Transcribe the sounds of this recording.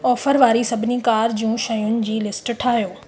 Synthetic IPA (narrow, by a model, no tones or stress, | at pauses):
ɔːfəɾʋaːɾisɐbʱɪnikaːɾd͡ʑũːʃɐjʊnɪ̆d͡ʑiːlɪsʈʈʰaːɦijoː